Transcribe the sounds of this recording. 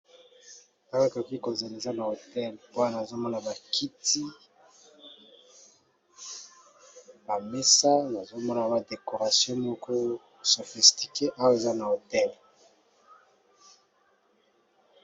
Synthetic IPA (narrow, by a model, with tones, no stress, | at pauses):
a˦wko˨ki˦ko˨ze˨le˨za˦na˨o˨tɛ˦lpo˦a˦na˨zo˦mɔ˦na˨ba˨kʰi˦ti˦ | ba˨me˦sa˦na˨zo˦mɔ˦na˨ba˨de˨ko˨ʁa˨sjɔ̃˦mɔ˦kʰɔ˦˨ | so˨fi˨sti˨ke˦ʔa˦wo˦e˨za˦na˨o˨tɛ˦l